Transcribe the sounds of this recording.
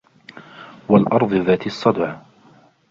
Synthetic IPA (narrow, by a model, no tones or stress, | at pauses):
walʔɑɾˤðˤɨðaːt̪ɑsˤːɑd̪ʕ